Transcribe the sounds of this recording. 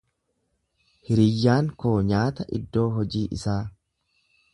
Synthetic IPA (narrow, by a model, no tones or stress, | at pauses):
hɪɾɪjːaːŋkoːɲaːt̪ɐʔɪ̰d̪ːo̞ːɦɔd͡ʒiːʔɪ̰saː